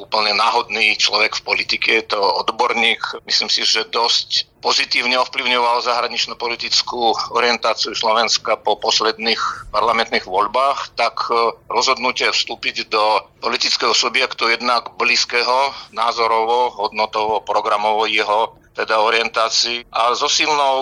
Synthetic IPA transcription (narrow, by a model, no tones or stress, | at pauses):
uːpl̩ɲɛnaːɦɔd̪nit͡ʃlɔʋɛkfpɔlit̪ikʰɛjɛt̪ɔɔd̪bɔɾɲiːkmisliːmsiʒɛd̪ɔscpɔzit̪iːʊɲɛɔfpliʊɲɔʋalzaɦɾaɲit͡ʃnupɔlit̪it͡skuɔɾɪɛnt̪aːt͡siuslɔʋɛnskapɔpɔslɛd̪niːxpaɾlamɛnt̪niɣʋɔʎbaːxt̪akɾɔzɦɔd̪nucɪɛfst̪uːpiɟd̪ɔpɔlit̪it͡skɛɦɔsubjɛkt̪ujɛd̪naɡbliskɛɦɔna̰ːzɔɾɔʋɔɦɔd̪nɔt̪ɔʋɔpɾɔɡɾamɔʋɔjɛɦɔ | t̪ɛd̪aɔɾɪɛnt̪aːt͡siːʔazɔsilnɔʊ